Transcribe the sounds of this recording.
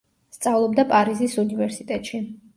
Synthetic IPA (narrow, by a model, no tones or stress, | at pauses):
st̪sʼavlˠɔbd̪apʼaɾizisunivɛɾsit̪ʼɛt̪ʼʃi